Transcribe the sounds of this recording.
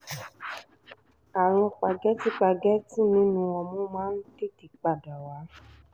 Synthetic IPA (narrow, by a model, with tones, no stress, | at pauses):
a˨ɾ̃ɔ̃˧k͡pa˨ɡɛ˦ti˨˦k͡pa˧ɡɛ˦ti˦nĩ˨˦nũ˧ɔ˧˨mũ˦mãː˦n̩˦de˦ti˨k͡pa˨da˨wa˨˦